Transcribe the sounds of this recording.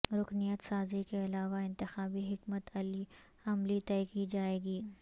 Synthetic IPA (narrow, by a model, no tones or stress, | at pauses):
ɾʊknijət̪saːzikeɐlaːʋaɪ̃nt̪ɪxaːbiɦɪkmət̪ɐli | ɐmlit̪ɛːkid͡ʒaːeːɡiː